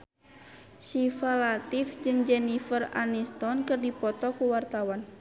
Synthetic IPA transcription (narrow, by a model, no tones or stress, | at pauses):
sifalat̪ifd͡ʒɨŋd͡ʒɛnifəra̰nist̪ɔnkɨrdipɔt̪ɔkuwart̪awan